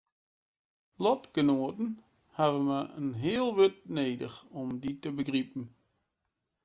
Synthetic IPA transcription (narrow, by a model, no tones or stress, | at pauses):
lɔtɡ̥ənoːətn̩ | havənməənɦɪəlˠʋʏt̚neːdə̰xɔmditəbəɡripn̩